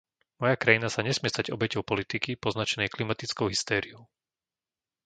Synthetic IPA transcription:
mɔjakɾajinasaɲɛsmɪɛst̪aɟɔ̰bɛcɔʊpɔlit̪ikipɔznat͡ʃɛnɛjklimat̪it͡skɔʊɦist̪ɛːɾiɔʊ

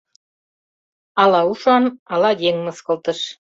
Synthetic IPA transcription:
ɑlɑuʃɑnɑlɑjeŋmɤ̆skɤ̆lt̪ə̆ʃ

